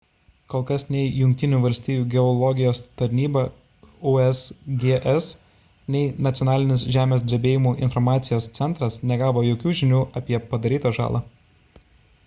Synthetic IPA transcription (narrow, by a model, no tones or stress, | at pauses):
koːlˠkɐsnʲɛɪjʊŋʲkʲt̪ʲɪnʲuːʋɐlʲsʲt̪ʲiːjuːɡʲɛɔlˠɔɡʲɪjoːst̪ɐɾʲnʲiːbɑ | uɛsɡʲeːʔɛs | nʲɛɪnɐt̪sʲɪjɔnɑːlʲɪnʲɪsʒʲæːmʲeːsd̪ʲɾʲɪbʲeːjɪmuːʔɪnfɔɾmɑːt̪sʲɪjoːst̪sʲɛnt̪ɾɐsnʲɛɡɑːʋoːjoːkʲuːʒʲɪnʲuːʔɐpʲiɛpɐd̪ɐɾʲiːt̪ɐʒɑ̰ːlˠɑ̰ː